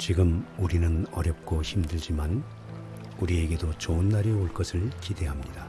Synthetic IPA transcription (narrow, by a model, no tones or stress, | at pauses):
t͡ɕiɡɯmuɾinɯnʌ̰ɾjʌp̚k͈oçʰimdɯɭd͡ʑiman | uɾie̞ɡe̞dot͡ɕoɯnːaɾeoɭk͈ʌsʰɯɭkide̞ɦamɲid̥a